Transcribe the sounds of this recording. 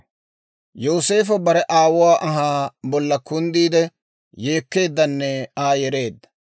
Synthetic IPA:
joːse̞ːfɐbɐɾɛʔaːwʊwaːʔɐɦaːbɔlːɐkʊnd̪iːd̪ɛ | jeːkːe̞ːd̪ːɐnːɛaːjɛɾe̞ːd̪ːɐ̥

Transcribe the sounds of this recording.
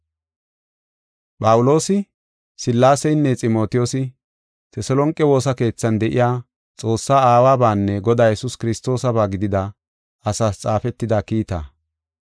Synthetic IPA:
pʼɐwʊlo̞ːsɪ | sɪlːaːsɛjnːɛt͡sʼɪmo̞ːt̪ɪjoːsɪ | t̪ɛsɛlɔŋkʼːɛwo̞ːsɐke̞ːt͡sːɐnd̪ɛʔɪ̰jaː | t͡sʼo̞ːsːaːaːwaːbaːnːɛɡɔd̪aːjɛsʊskɪɾɪst̪o̞ːsɐbaːɡɪd̪ɪd̪ɐ | ɐsaːst͡sʼaːfɛt̪ːɪd̪aːkiːt̪a̰ː

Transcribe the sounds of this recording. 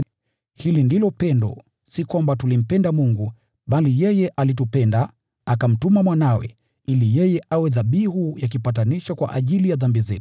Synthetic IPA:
hilindilɔpɛndɔ̰ | sikwambatulim̩pɛndamuŋɡu | ɓalijɛjɛʔalitupɛnda | akam̩tumamwanawɛ̰ | ilijɛjɛʔawɛðaɓihujak̬ipataniʃakwa̰ʔaʄilijaðambizɛ̰tu̥

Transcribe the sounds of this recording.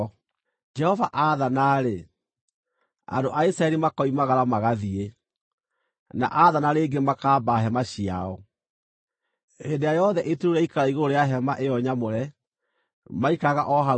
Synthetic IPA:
d͡ʒɛhɔvaʔaðanaɾe | a̰doʔaisɾaɛɾimakɔimaɣaɾamaɣaðie | na̰ʔaðanaɾeːɡemakaːbaːɦɛmaɕiaɔ | edeajɔðɛʔetɾuɾɛikaɾaiɣoɾoɾeaɦɛmaʔeɔɲamoɾɛ | maikaɣa̰ʔɔɦa

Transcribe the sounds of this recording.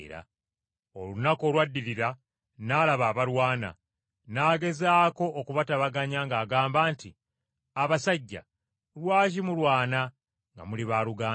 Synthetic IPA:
ɾa̰ | o̞lunako̞ːlwadːiɾiɾa | naːlaβaːβaɾwaːna̰ | naːɡe̞zaːko̞ʔːkuβataβaɡaɲaŋɡaːɡaːmbaːnti | aβasaɟːa̰ | ɾwaːʒimulwaːna | ŋɡa̰muliβaːɾuɡaː

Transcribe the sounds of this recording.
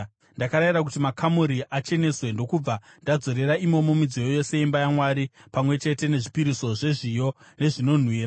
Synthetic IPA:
ndakaɾairak̬utimakʰamuɾiʔat͡ʃe̞ne̞swe̞ndo̞kub͡va | ndad͡zo̞ɾe̞ɾaimo̞mo̞mid͡zijojo̞se̞imbajamwaɾipamwe̞t͡ʃe̞te̞ne̞ʐipiɾiso̞ʐe̞ʐijo̞ | ne̞ʐino̞n̤wiːra

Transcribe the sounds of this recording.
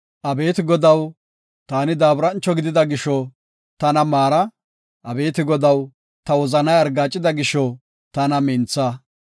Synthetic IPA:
ʔɐbe̞ːt̪ɪɡɔd̪ɐw | t̪aːnɪd̪aːbɾɐnt͡ʃːɔɡɪd̪ɪd̪ɐɡɪʃɔ | t̪ɐnɐmaːɾɐ | ʔɐbe̞ːt̪ɪɡɔd̪ɐw | t̪ɐwɔzɐnɐjɐɾɡaːt͡ʃʼːɪd̪ɐɡɪʃɔ | t̪ɐnɐmɪnt͡sːɐ

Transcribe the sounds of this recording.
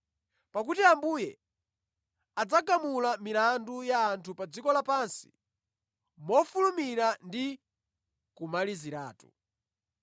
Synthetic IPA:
pak̬utiambuːjɛ | ad͡zakamulamilandujaːntʰupad͡zikɔlapansi̥̰ | mɔfulumiɾandi | kumaliziɾa̰ːtṵ

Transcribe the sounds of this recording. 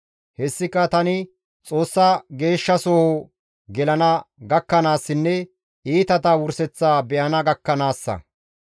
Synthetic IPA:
hɛsːɪkːɐt̪ɐnɪ | t͡sʼo̞ːsːɐɡe̞ːʃːɐsɔho | ɡɛlɐnɐɡɐkːɐnaːsːɪnːɛ | iːt̪ɐt̪ɐwʊɾsɛt͡sːaːbɛʔɐnɐɡɐkːɐnaːsːɐ̰

